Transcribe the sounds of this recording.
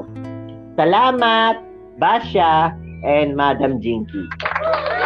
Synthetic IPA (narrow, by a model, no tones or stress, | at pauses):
sɐlaːmat̪̚ | baːʃaːeːnmaːd̪ɐmd͡ʒĩːŋkiː